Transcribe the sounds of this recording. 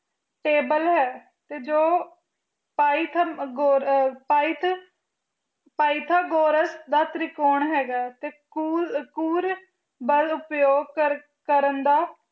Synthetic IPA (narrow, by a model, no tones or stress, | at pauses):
ʈeːbəlɦɛː | t̪eːd͡ʒoː | paːit̪ʰːɡoːpaːit̪ | paːit̪ʰaːɡoːɾəsd̪aːt̪ɾɪkoːɳɦɛːɡaːt̪eːkukuːɾ | bəlʊpjoːɡ̚k | kəɾənd̪aː